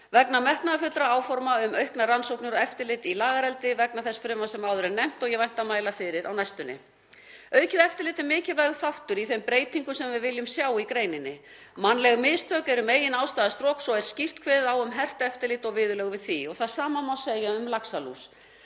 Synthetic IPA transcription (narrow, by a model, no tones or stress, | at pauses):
vɛknamɛht̪naðafʏt̪ːɾaaːwfɔɾmaʏmœɥhknaransowknɪʏɾɔɛft̪ɪɾlɪt̪ilaːɣaɾɛlt̪ɪvɛknaθɛsːfɾʏːmːasɛmawðʏɾɛnɛm̥t̪ɔɣjɛvajn̥t̪amaːjlafɪɾɪɾʔa̰wnajst̪ʏnːɪ̰ | œːɥcɪðɛft̪ɪɾlɪːt̪ɪɾmɪːcɪlvajɣθawht̪ʏɾiθejmpɾeːjt̪iŋkʏsɛmvɪðvɪljʏmsjaːwikɾeːjnɪnːɪ | manːlɛɣmɪðst̪ʰœːkɛɾʏmeːjɪnaːwst̪aːðast̪ɾɔːksɔɛɾ̥scir̥t̪kʰvɛðɪðawʏmɦɛr̥t̪aɛft̪ɪlɪːt̪ɔɣvɪːðʏlœɣvɪðθiɔɣθaðsaːmamawseːjaʏmlaksalṵs